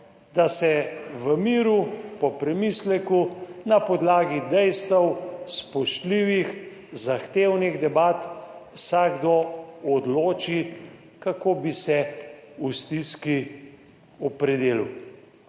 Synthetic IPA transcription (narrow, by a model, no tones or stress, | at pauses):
d̪asɛʋəmiːɾupɔpɾɛmislɛkunapɔd̪laːɡid̪ɛjst̪əwspɔʃt̪liːʋix | zaxt̪eːwniɣd̪ɛbat̪wsaːɡd̪oɔd̪loːt͡ʃi | kakoːbisɛust̪iski | ɔpɾɛd̪eːlṵ